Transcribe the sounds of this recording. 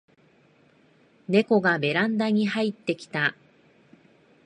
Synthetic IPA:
ne̞ko̞ɡame̞ɾãnd̪aɲ̟iɦait̪ːe̞kʲi̥t̪a

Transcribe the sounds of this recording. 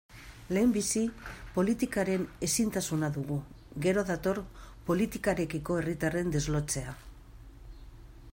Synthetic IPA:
le̞ːmbisipo̞lit̪ikaɾe̞ne̞sint̪asunaðuɣu | ɡe̞ɾo̞ðat̪o̞ɾpo̞lit̪ikaɾe̞kiko̞e̞rit̪are̞nd̪e̞zlo̞t͡se̞a

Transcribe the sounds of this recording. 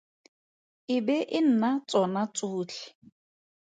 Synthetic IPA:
ɪbɛʔɪn̩nat͡sʼɔnat͡sʼʊːt͡ɬʰɪ̥

